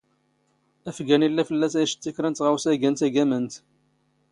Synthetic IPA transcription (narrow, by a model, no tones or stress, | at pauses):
æfɡænilːæfəlːæsæjʃə̥t͡s̪ːikɾænt̪ʁawsæɡænt̪æɡæmənt̪